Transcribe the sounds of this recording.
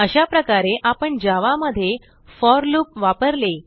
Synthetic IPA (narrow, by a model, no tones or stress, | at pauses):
əɕapɾəkaɾeʔapəɳd͡ʑaʋaməd̪ʱːje | fɔɾlupʋapəɾle